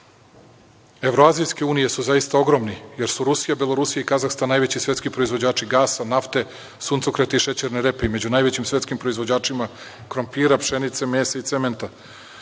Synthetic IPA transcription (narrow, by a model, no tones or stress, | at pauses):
evɾoazijske̞uːnije̞suzajist̪ao̞ɡɾo̞mnijeɾsuɾusijabelˠo̞ɾusijaikazaxst̪anːajʋe̞t͡ɕisʋʲet̪kipɾoizʋo̞d͡ʑaːt͡ʃiɡaːsanaft̪e̞ | sunt̪sokɾat̪iiʃet͡ɕeɾneɾe̞peime̞d͡ʑunajʋet͡ɕimsʋe̞t̪skimpɾoizʋo̞d͡ʑaːt͡ʂima | kɾompiːɾapʃenit̪semeːsait̪sement̪a